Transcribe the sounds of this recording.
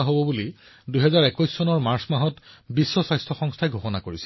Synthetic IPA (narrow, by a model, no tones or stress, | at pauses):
aɦobɔbuli | dujɦɛzaɹɛkɔjsːɔnɔɹmaɹsmaɦɔtbisːɔsajstʰɔxɔŋstʰajɡʱoxɔnakoɹisɛ